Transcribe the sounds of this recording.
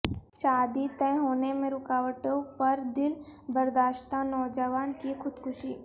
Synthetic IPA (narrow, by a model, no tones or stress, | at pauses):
ʃaːd̪it̪ɛ̃ɦoːnemẽɾʊkaːʋəʈõpɐɾd̪ɪlbəɾd̪aːʃʈ̪ãnɔːd͡ʒəʋaːnkixʊd̪kʰʊʃḭː